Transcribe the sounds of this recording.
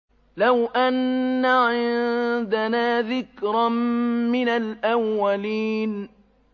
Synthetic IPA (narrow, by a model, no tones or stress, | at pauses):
lawʔanːaʕɪnd̪anaːðɪkɾɑmɪnalʔawːaliːn